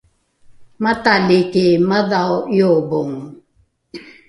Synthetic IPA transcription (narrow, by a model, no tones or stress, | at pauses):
mat̪alikimaðawjobʊŋ